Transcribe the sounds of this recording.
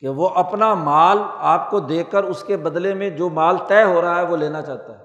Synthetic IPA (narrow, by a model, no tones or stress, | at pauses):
keʋoʔɐpnamaːlaːp̚kod̪eːkəɾʊskebɐd̪lemẽd͡ʒoːmaːlt̪ɛːɦoːɾɐɦaɦɛʋoleːnat͡ʃaːɦt̪aɦɛː